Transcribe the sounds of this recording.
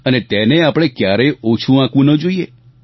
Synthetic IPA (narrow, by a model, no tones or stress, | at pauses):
ənet̪ɛneapɽ̃ekjaɾəjot͡ʃʰũãkʋũnəd͡ʒoije